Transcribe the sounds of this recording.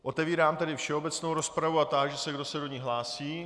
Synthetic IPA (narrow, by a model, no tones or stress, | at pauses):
ʔo̞t̪ɛviːɾaːmt̪ɛdɪfʃɛo̞bɛt͡snowɾo̞spɾavuat̪aɡʒɛsɛɡdo̞sɛdo̞ɲiɦlaːsiː